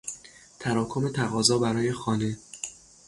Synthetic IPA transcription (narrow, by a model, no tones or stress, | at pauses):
t̪ʰæɾɒːkʰo̞me̞t̪ʰæɣɒːzɒːbæɾɒːjexɒːne̞